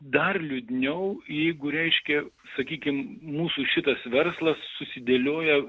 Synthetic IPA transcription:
d̪ɐrlʲʊd̪ʲnʲɛʊjɛɪɡʊɾʲɛɪʃʲkʲɛ | sɐkʲiːkʲɪmmuːsuːʃʲɪt̪ɐsʋʲɛrslˠɐsːʊsʲɪd̪ʲelʲoːjɛ

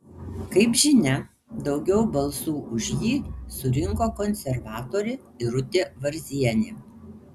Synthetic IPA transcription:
kɐɪpʒʲɪnʲɛ | d̪ɒʊɡʲɛʊbɐlˠsuːʔʊʒʲjiːsʊɾʲɪŋkoːkɔnʲsʲɛɾʋɑːt̪oːɾʲɪ | ɪɾʊt̪ʲeːʋɐɾʲzʲiɛnʲɪ

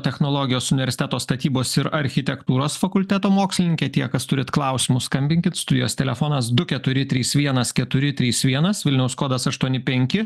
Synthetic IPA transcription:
t̪ʲɛxnoːlˠoːɡʲɪjoːsʊnʲɪʋʲɛɾʲsʲɪt̪ʲæːt̪oːst̪ɐt̪ʲiːboːsɪɾɐɾʲxʲɪt̪ʲɛkt̪uːɾoːsfɐkʊlʲt̪ʲæːt̪oːmoːksʲlʲɪnʲɪŋʲkʲeːt̪ʲiɛkɐst̪ʊɾʲɪt̪klˠɐʊsʲiːmʊskɐmʲbʲɪŋʲkʲɪt̪st̪ʊd̪ʲɪjoːst̪ʲɛlʲɛfoːnɐsd̪ʊkʲɛt̪ʊɾʲɪt̪ʲɾʲiːsʋʲiɛnɐskʲɛt̪ʊɾʲɪt̪ʲɾʲiːsʋʲiɛnɐsʋʲɪlʲnʲɛʊskoːd̪ɐsɐʃt̪uɔnʲɪpʲɛŋʲkʲɪ

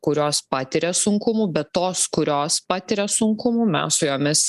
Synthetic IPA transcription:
kʊɾʲoːspɑːt̪ʲɪɾʲɛsʊŋkʊmuːbʲɛt̪t̪oːskʊɾʲoːspɑːt̪ʲɪɾʲɛsʊŋkʊmuːmʲɛ̰ssʊjoːmʲɪs

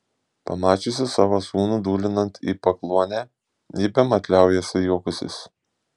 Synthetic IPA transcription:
pɐmɑːt͡ʃʲʊsʲɪsɑːʋoːsuːnud̪uːlʲɪnɐnt̪ʰḭːpɐklˠuɔnʲæ | ibʲɛmɐt̪ʲlʲæˑʊjɛsʲɪjuɔkʊsʲɪ̰s

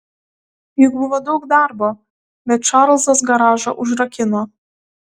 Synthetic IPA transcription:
jʊkbʊʋoːd̪ɒʊkd̪ɑɾbo | bʲɛt̪t͡ʃɑɾlˠzɐs̬ɡɐɾɑːʒɐ̰ʔʊʒɾɐkʲɪnoː

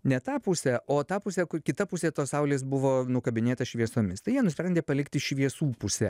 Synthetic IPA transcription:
nʲɛt̪ɑːpʊsʲɛoːt̪ɑːpʊsʲɛkʊkʲɪt̪ɐpʊsʲeːt̪oːsɐʊlʲeːs̬bʊʋoːnʊkɐbʲɪnʲeːt̪ɐʃʲʋʲiɛsoːmʲɪst̪ɐɪjiɛnʊsʲpʲɾʲɛnʲd̪ʲeːpɐlʲɪkt̪ʲɪʃʲʋʲiɛsuːpʊsʲɛ

